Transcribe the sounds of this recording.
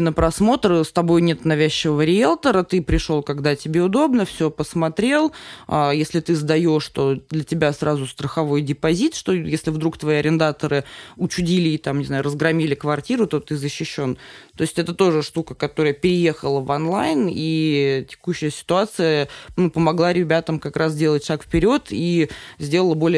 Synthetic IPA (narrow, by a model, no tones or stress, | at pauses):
nəpɾɐsmo̞t̪ɾəst̪ɐbo̞jnʲe̞t̪nɐvʲæɕːɪvəvəɾʲɪelˠt̪əɾət̪ɨpɾʲɪʂolˠkɐɡd̪atʲɪbʲe̞ʊd̪o̞bnəfsʲɵpəsmɐt̪ɾʲe̞lˠajesʲlʲɪt̪ɨzd̪ɐjoʂʂt̪o̞d̪lʲətʲɪbʲasɾazʊst̪ɾəxɐvo̞jdʲɪpɐzʲit̪ʂt̪o̞jesʲlʲɪvd̪ɾukt̪vɐiɐɾʲɪnd̪at̪əɾɨʊt͡ɕʊdʲilʲɪːt̪amnʲɪznajʊrəzɡɾɐmʲilʲɪkvɐrtʲiɾʊt̪o̞t̪ɨzəɕːɪɕːo̞nt̪o̞ɪsʲtʲɛt̪ət̪o̞ʐɨʂt̪ukəkɐt̪o̞ɾəjəpʲɪɾʲɪje̞xəlˠəvɐnlˠajnitʲɪ̥kuɕːɪjəsʲɪ̥t̪ʊat̪sɨjənupəmɐɡlˠaɾʲɪbʲat̪əmkɐkɾas̬dʲe̞lˠətʲʂakfpʲɪɾʲo̞t̪izʲdʲe̞lˠəlˠəbo̞lʲɪ